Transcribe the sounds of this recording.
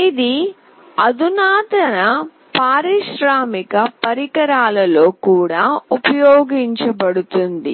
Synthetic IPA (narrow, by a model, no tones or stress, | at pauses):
id̪i | ɐd̪unaːt̪ɐnɐ | paːɾiʃɾaːmikɐpɐɾikɐɾaːlɐlo̞ːkuːɽaːupɐjoːɡiɲt͡ʃɐbɐɽut̪und̪ḭ